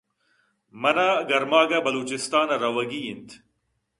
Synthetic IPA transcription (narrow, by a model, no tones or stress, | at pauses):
mɐnaɡɐɾmaːɡɐbɐluːt͡ɕist̪aːnɐɾɐwɐɡiint̪ʰ